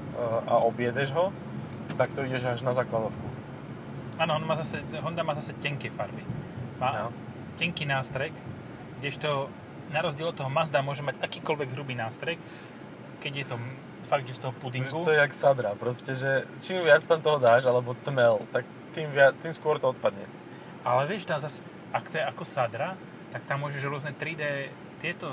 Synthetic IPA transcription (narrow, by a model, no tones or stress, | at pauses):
ʔa̰ɔbjɛd̪ɛʒɦɔ | t̪ak̚t̪ɔiɟɛʒaʒnazaːklad̪ɔt̪ku | aːnɔɔnmaːzasɛɦɔnd̪amaːzasɛcɛŋkɛfaɾbimaː | cɛŋkiːnaːst̪ɾɛk | ɡɟɛʃt̪ɔ | naɾɔzɟiɛlɔt̪ːɔɦɔmazd̪amʊɔʒɛmaɟakiːkɔlʋɛɡɦɾubiːnaːst̪ɾɛk | kɛɟjɛt̪ɔ | faɡ̚d̪ʒɛst̪ɔɦɔpud̪iŋɡuɔjɛaksad̪ɾapɾɔscɛʒɛt͡ʃiːmʋɪat͡st̪amt̪ɔɦɔd̪aːʒalɛbɔt̪mɛlt̪ak̚ | t̪iːmʋɪat̪iːmskʊɔɾt̪ɔɔt̪̚pad̪ɲɛ̰ | alɛʋɪɛʃt̪amzasɛ̥ | ʔakt̪ɔjɛakɔsad̪ɾa | t̪akt̪amːʊɔʒɛʒɾʊɔznɛt̪ɾid̪ɛ | t̪ɪɛt̪ɔ